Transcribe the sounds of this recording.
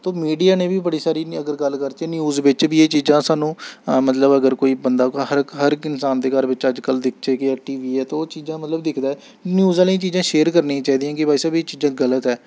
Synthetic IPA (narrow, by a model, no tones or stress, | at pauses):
t̪oːmiːɖijaːnẽːbiːbəɽiːsaːɾiːəɡəɾɡəlkəɾt͡ʃeːnjuːzʋɪt͡ʃbiːeːt͡ʃiːzãːsaːnũːmət̪ləbəɡəɾkoːiːbənd̪aːhəɾkɦəɾkɪnsaːnd̪eːɡəɾʋɪt͡ʃəd͡ʒkəld̪ɪkʰt͡ʃeːkɪɛːʈiːʋiːɛːt̪oːt͡ʃiːzãːmət̪ləbd̪ɪkʰd̪aːɛː | njuːzaːlĩt͡ʃiːzãːʃeːəɾkəɾnĩːt͡ʃaːɦiːd̪ijãːkɪbaːisaːbieːt͡ʃiːzãːɡələt̪ɛː